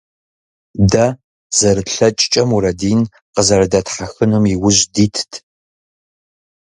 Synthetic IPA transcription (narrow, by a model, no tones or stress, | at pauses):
dɐ | zɐrɨɬɐt͡ʃʼt͡ʃʼɐmuɾɐdiːn | qəzɐɾɐdɐtħaxɨnumiwʊʑdiːtʰtʰ